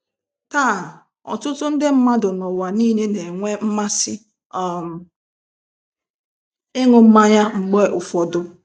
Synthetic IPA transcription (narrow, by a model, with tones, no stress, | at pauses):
ta˦˨ | ɔ̰˨tʊ˦tʊ˦n̩˦dɪ˦m̩˦ma˦dʊ˨nɔ˨wa˨ni˦ne˦ne˨ŋʷe˦m̩˦ma˦sɪ˦ | ɔ˦˨m̩˨ | ɪ˦ŋʊ˨m̩˦ma˦ɲa˦ŋ͡m̩˨ɡ͡be˦ʔʊ˨fɔ˨dʊ˦